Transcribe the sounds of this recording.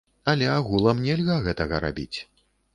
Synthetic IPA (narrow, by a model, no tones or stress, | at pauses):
ɐlʲɛaɣulˠɐmnʲɛlʲɣaɣɛt̪ɐɣɐɾa̰bʲḭt͡sʲ